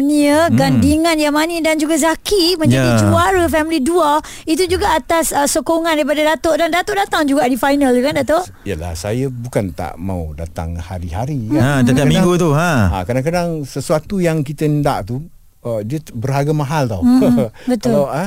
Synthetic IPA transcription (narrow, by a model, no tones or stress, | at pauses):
niəɡandiŋãnjamanidand͡ʒuɡazakimə̃ɲjadit͡ʃuaɾəfɛmilidual | it̪̬ud͡ʒuɡaʔat̪asəsokoŋãndaɾip̬adadat̪oʔdandat̪oʔdat̪aŋd͡ʒuɡaʔdifajnəlt̪ukandat̪oʔ | ijəla̰sa̰jəbukant̪a̰ʔma̰ṵda̰t̪a̰ŋhaɾiɦaɾiaadad̪akamĩɡut̪uãa̰kadaŋkadaŋsəsuat̪ujaŋkit̪ənda̰ʔt̪u | diəbərɦaɡamaɦalt̪a̰wbət̪ʊlaʔa